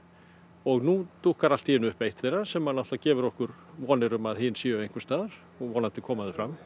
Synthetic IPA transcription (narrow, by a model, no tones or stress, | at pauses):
ɔɣnut̪ʰuhkaɾal̥t̪iɪnːʏʏhpejht̪θejrːasɛmːanaht̪acɛːvʏɾɔhkʏɾ | vɔːnɪɾʏmaðɦɪnsiːʏœvejŋkʏɾst̪aːðaɾ̥ | ɔɣvɔːnant̪ɪkʰɔːmaðɪfɾam